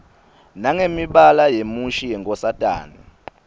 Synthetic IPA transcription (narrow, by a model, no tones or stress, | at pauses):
naŋemiɓalajemuʃijɛŋkʼɔsatʼa̰ːni